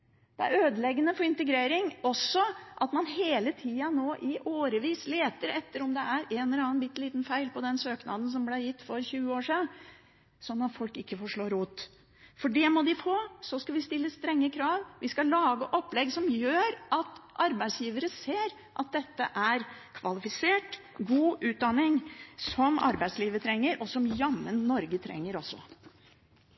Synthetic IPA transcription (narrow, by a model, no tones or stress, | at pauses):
d̪̥ɛæ̰ɾøːd̪əlɛɡːənəfɔɾɪnt̪əɡɾeːɾɪŋɔsːɔʔɑt̪mɑnheːlət̪ʰiːɑnoːʔɪʔoːɾəʋiːsleːt̪əɾɛt̪ːəɾɔmd̪ɛʔæɾenɛlɑːnbɪt̪ːliːt̪n̩fæɪlpɔd̪ɛnsøːknɑ̰ːd̪ən̩s̬ɔmblæɾjɪt̪ːfɔɾçʉːəoːʂiːd̪ | sɔnːɑt̪fɔlkɪkːəfɔʂɭoːɾuːt̪ː | fɔɖɛmɔd̪ɪfoːsɔskɑʋɪst̪ɪlːəst̪ɾɛŋːəkʰɾɑːʋʋɪskɑlɑːɡəʔɔpːlɛɡsɔmjøːɾɑt̪ʔɑɾbæɪsjiːʋəɾəseːɾ | ʔɑt̪̚d̪ɛt̪ːə̰ʔæɾkʰʋɑlɪfɪseːʈ | ɡuːʔʉːt̪̚d̪ɑnːɪŋsɔmɑ̰ɾbæɪsliːʋət̪ʰɾɛŋːəɾʔɔsɔmjɑmːənːɔɾɡət̪ʰɾɛ̰ŋːəɾɔsːɔ̰